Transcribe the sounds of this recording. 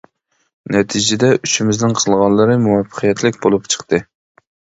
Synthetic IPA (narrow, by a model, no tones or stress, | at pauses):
nɛt̪ʰid͡ʒɪd̪ɛʔyʃɪmɪznɪŋqʰəlˠʁɑnlːˠɨɾɨmuwɑfːə̥qʰijɛt̪ʰlɪkʲbolˠupt͡ʃʰə̥qt̪ɨ